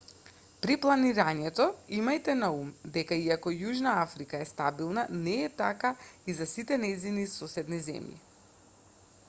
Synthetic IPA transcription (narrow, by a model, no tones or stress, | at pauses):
pɾiplˠaniɾaɲɛt̪ɔimajt̪ɛnaumd̪ɛkaiakɔjuʒnaafɾikaɛst̪abilˠnanɛːt̪akaizasit̪ɛnɛjzinisɔsɛd̪nizɛ̰mjḭ